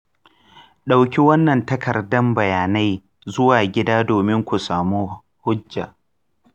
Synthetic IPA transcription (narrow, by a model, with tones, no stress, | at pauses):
ɗa˨wkʲi˦wɐ˦nːɐ˨ntɐ˦kʰɐ˨rdɐ˦mbɐ˨jaː˨na˦j | zʊ˦waː˨ɡʲɪ˦daː˦doː˨mɪ˦ŋkʷu˨saː˨muː˦ | hʊ˦d͡ʒːa̰˨ʔ